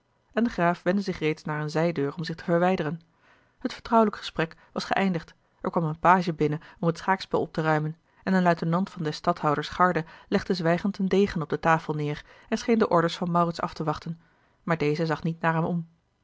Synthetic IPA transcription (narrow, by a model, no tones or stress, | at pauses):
ʔɛndəχraːfʋɛndəzɪχrejtsnaːɹənzɛjdøːɹɔmzɪχtə̥vəɹʋɛjdərən | ɦətfə̥ɹtrʌwələkχə̥sprɛkʋɑsχə̰ʔɛjndəχt | ʔɛɹkʋɑmənpaːʒəbɪnəɔmətsχaːksbɛlˠɔ̰p̚tərœɥmən | ɛnənlœɥtənɑntfɑndɛstɑthɑwdəɹsχɑɹdəlɛχdəzʋɛjχəntəndejχənɔb̚dətaːfəlˠnɪːrɛnsχejndəʔɔɹdəɹsfɑnmɑwrɪtsɑ̰ftəʋɑχtən | maːɹdejzəzɑχnitnaːɹɦɛmɔm